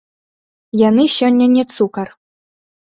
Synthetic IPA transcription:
janɨɕɔnʲːɐnʲɛt̪sukɐr

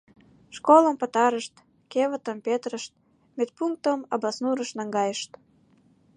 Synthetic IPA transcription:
ʃkolə̆mpət̪ɑɾəʃt̪ | keβə̆t̪əmpet̪rəʃt̪̚ | met̪̚puŋk̚t̪əmɑbɑsnuɾəʃnɑŋɡɑjəʃt̪

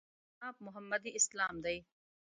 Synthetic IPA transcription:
aːp̚mʊɦɐmːɐd̪iɪslaːmd̪ɐj

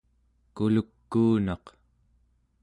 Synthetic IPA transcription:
kulukːuːnɑq

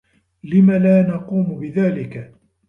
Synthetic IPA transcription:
lɪmalaːnɑquːmʊbɪðaːlɪka

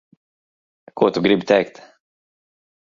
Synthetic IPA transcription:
koːt̪uɡɾɪbt̪ʰɛːkt̪

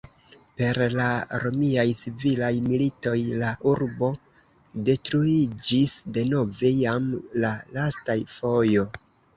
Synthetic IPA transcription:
pe̞ɾlaɾo̞miajt͡sivilajmilito̞jlaʔuɾbo̞ | de̞tɾuid͡ʒisde̞no̞ve̞jamlalastajfo̞jo̞

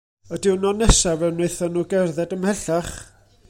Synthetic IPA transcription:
ədɪwnɔnɛsavɛwnejθanuɡɛrðɛdəmhɛɬaχ

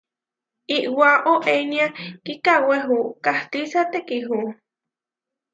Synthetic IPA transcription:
iʔwaʔoʔeniakikaweɦukaht̪isat̪ekiɦu

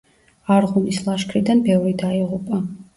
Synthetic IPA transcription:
aɾʁunislˠaʃkʰɾid̪anbɛvɾid̪aiʁupʼa

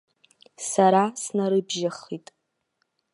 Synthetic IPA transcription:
saɾasnaɾɨbʒaχitʼ

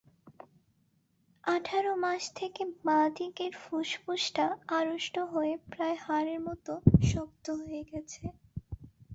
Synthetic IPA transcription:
aʈʰaɾomaʃt̪ʰekemad̪ikeɾfuʃpuʃʈaaɾoʃʈoɦoepɾaehaɾeɾmɔt̪oʃɔk̚t̪oɦojeɡɛt͡ɕʰe

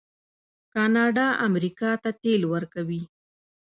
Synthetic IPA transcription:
kɑnɑɖɑʔamɾikɑt̪at̪elwəɾkawi

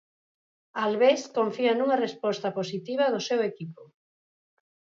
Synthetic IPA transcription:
alβeskoɱfianuŋarespɔst̪aposit̪iβ̞aðʊsewekipo

